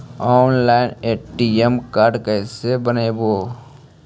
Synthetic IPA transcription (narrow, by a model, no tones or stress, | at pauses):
ɔːnlaːɪneːʈiemkaːɾɖkɛːsebəneːboː